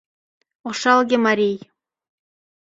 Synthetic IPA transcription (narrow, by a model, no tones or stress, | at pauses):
oʃɑlˠɣemɑɾʲij